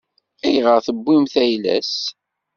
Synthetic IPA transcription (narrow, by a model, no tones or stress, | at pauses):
æjʁəʁθəbːimθæjlæ̰s